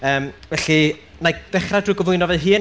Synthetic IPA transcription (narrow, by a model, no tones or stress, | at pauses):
əːmvɛɬi | najð̥ɛχradujɡɔvʊɨnɔvɛðɦɨːn